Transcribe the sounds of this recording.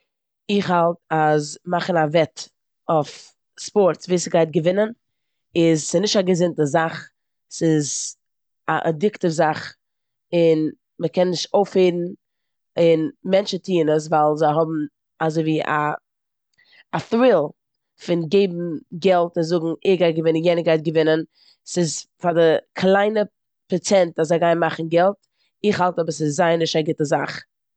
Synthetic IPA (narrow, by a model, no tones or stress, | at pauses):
ɪχhalˠtazmaχn̩avɛt | of | spɔɾtsviːsɡaɪt̚ɡəvɪnən | ɪzsɪznɪʃtaɡəzɪntəzaχ | sɪz | aʔədɪktəfzaχ | ɪn | məkɛnːɪʃtoʊfheɪɾn̩ | ɪnmɛnt͡ʃətʰiːnəs̬valˠzaɪɦɔbm̩ | azoɪviːʔa̰ | θɾɪlˠ | fɪnɡeɪbm̩ɡɛlˠtɪnzʊɡŋ̩ɪχɡaɪt̚ɡəvɪnənjɛnəɡaɪt̚ɡəvɪnən | sɪzfadɪkʰlˠaɪnə | pɛt͡sɛntaszaɪɡaɪnmaχn̩ɡɛlˠt | ɪχhalˠtɔbəsɪzːaɪnɪʃtaɡɪtəzaχ